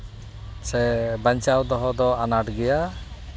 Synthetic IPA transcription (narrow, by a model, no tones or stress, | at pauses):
sɛbaɲt͡ʃawd̪ɔɦɔd̪ɔanaʈɡɛja